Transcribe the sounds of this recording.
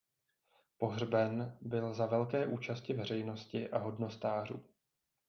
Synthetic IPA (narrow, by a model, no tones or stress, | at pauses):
po̞ɦrbɛnbɪlzavɛlkɛːʔuːt͡ʃascɪvɛr̝ɛjno̞scɪʔaɦo̞dno̞st̪aːr̝uː